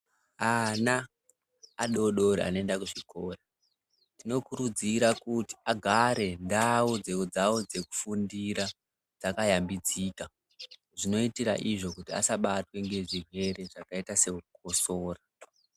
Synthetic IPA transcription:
anaː | ɗo̞ɗo̞ɾia̰noendakuʐikʰoːra | tino̞kuɾud͡ziɾakuti̥aɡʱaɾe̞ndawud͡zed͡zawod͡ze̞ku̥fundiɾa | d͡zakajambid͡ziːka | ʐino̞itiɾa̰ʔiʐo̞kutia̰saɓatwe̞ŋɡe̞ʐirwe̞ɾe̞ʐakaitase̞uk̚osoːra

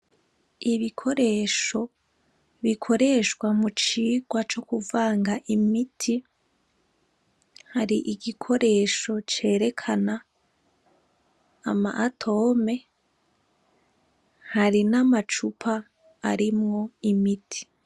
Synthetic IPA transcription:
iβikʰo̞ɾe̞ːʃo̞ | βikʰo̞ɾe̞ʃkwamut͡ʃiːɡwat͡ʃo̞kuvaːŋɡaʔimitʰi | haɾiʔiɡikʰo̞ɾe̞ʃo̞t͡ʃe̞ːɾe̞kʰana | ma̰ʔatʰo̞ːme̞ | haɾinamat͡ʃupʰaː | ɾimŋo̞imitʰi̥

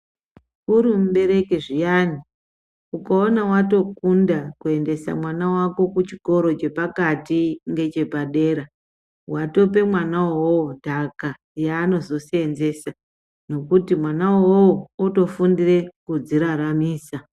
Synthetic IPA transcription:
uɾim̩ɓe̞ɾe̞keʐijani | ukaonawato̞kundakue̞nde̞sa̰mwanawako̞kut͡ʃiko̞ɾo̞t͡ʃe̞pakatiŋɡe̞t͡ʃe̞paɗe̞ːɾa | wato̞p̬e̞mwanawowodʱaka | jaːno̞zo̞seenze̞sa | no̞kutimwanawowouto̞fundire̞kud͡ziɾaɾamiːsa

